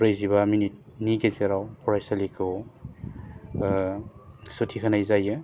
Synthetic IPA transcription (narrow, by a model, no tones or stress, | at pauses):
ɾɯjzibaminit̚ | niɡezeɾawpʰɔɾajsalikʰɯw | sutʰikʰanajzajɯ